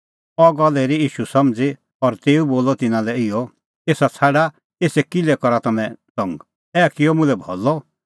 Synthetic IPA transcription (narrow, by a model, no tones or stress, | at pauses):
ɔɡɔlɛɾijiːʃusɐmd͡zi | ɔɾt̪eːuboːlɔt̪ɪnãlɛɪjɔ | eːsat͡sʰaɽa | eːsɛkɪlɛkɔɾat̪ɐmɛ̃sɔ̃ŋɡ | ɛːkɪjɔmʊ̃lɛbʱɔ̰lɔ